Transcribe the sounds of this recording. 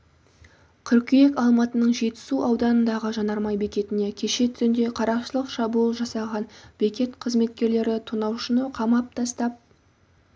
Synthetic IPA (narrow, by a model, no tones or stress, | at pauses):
kʲʰʏɾkʲijekɑlˠmɑt̪ənəɴʒe̞t̪ɪ̥suʔɑwd̪ɑnənd̪ɑʁəʒɑnɑɾmɑjbe̞kʲe̞t̪ɪne̞kʲʰe̞ʃe̞t̪ʰʏɾɪnd̪e̞qʰɑɾɑqʃəlˠəqʃɑbuəlˠʒɑsɑʁɑnb̥e̞kʲe̞t̪qʰəzme̞t̪̚kʲe̞ɾle̞ɾɪt̪ʰunɑwʃənəqʰɑmɑp̚t̪ʰɑst̪ɑp̚